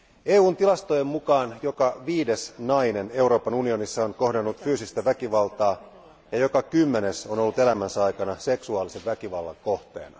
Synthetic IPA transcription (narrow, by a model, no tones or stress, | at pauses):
e̞ːuːnt̪ilɑst̪ojemmukɑːnjo̞kɑʋiːde̞snɑjne̞ne̞wɾo̞ːpɑnunio̞nisːɑonko̞hdenːut̪fyːsist̪æʋækiʋɑlt̪ɑː | jɑjo̞kɑkymːe̞ne̞so̞nolːut̪e̞læmænsɑjkɑnɑse̞ksuɑːlise̞ʋʋækiʋɑlːɑ̰ŋko̞ht̪e̞̰ːnɑ̰